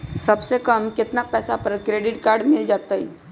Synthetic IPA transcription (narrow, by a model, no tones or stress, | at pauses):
səbsekəmkɪt̪napɛːsapəɾkɾeɖɪʈkaɾɖmɪld͡ʒat̪aḭ